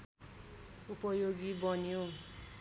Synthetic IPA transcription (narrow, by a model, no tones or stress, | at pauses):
upʌjoɡibʌnijo